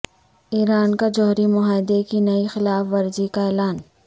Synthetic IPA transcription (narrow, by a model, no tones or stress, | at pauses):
iːɾaːnkad͡ʒɔːɾimʊɦaːɪd̪ekinɐixɪlaːfʋɐɾd͡ʒikaɛːlaːn